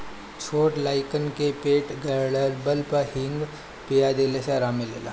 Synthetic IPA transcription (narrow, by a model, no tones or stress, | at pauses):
t͡ʃʰoːʈlaːɪkənkepeːʈɡɐləɾbəlpɐhɪ̃ŋɡ | pijad̪eːlesaɾaːmɪlela̰